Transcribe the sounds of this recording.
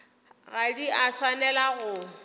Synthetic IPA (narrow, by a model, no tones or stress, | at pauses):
ɣadiaswanɛlaɣʊ